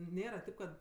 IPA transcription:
ˈnʲeːrɐ ˈtʲɪp kɐt

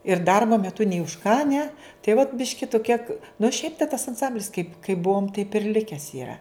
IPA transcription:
ɪr ˈdɐrboː mʲɛˈtʊ nʲɛɪ ʊʃ kɑː nʲɛ tɐɪ ʋɐt ˈbʲɪʃʲkʲɪ tʊ kʲiɛk nʊ ˈʃʲɛɪp tɐs ɐnˈsɐmʲbʲlʲɪs kɐɪp kɐɪp ˈbuɔm tɐɪp ɪr ˈlʲɪkʲɛs ɪˈrɐ

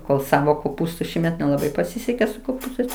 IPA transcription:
koːlˠ ˈsɑːʋoː koːˈpuːstʊ ˈʃʲiːmʲɛt nʲɛlˠɐˈbɐɪ pɐˈsʲɪsʲɛkʲeː sʊ koːˈpuːstɐɪs

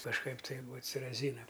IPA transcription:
kɐʃˈkɐɪp ˈtɐɪ ˈbuːɐ t ˈsʲɪ rɐˈzʲiːnɐm

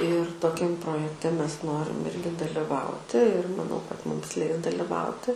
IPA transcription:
ɪr toːˈkʲɛm proːjɛkˈtʲɛ ˈmʲɛs ˈnoːrʲɪm ˈɪrʲɡʲɪ dɐlʲɪˈʋɐʊtʲɪ ɪr mɐˈnɐʊ kɐt ˈmʊms ˈlʲɛɪs dɐlʲɪˈʋɐʊtʲɪ

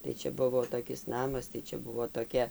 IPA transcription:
tɐɪ ˈt͡ʃʲɛ ˈbʊʋoː toːˈkʲɪs ˈnɑːmɐs tɐɪ ˈt͡ʃʲɛ ˈbʊʋoː toːˈkʲɛ

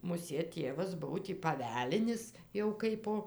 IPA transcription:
mʊˈsʲeːt ˈtʲeːʋɐs ˈbʊʋoː tʲiː pɐˈʋʲæːlʲɪnʲɪs jɛʊ ˈkɐɪpoː

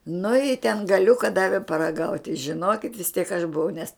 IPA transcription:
nʊ ɪ tʲɛn ɡɐˈlʲʊkɐ ˈdɑːʋʲɪ pɐrɐˈɡɐʊtʲ tɐɪ ʒʲɪˈnoːkʲɪtʲ ʋʲɪs tʲiɛk ɐʃ bʊˈʋɐʊ nʲɛs

